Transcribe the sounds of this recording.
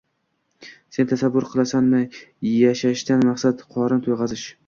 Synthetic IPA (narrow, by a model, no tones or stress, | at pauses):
se̞nɪt̪ʰasabːʊɾqʰɨlˠasanmajaʃaʃt̪anmaqsat̪qʰɒɾɪnt̪ʰojʁɑzɪʃ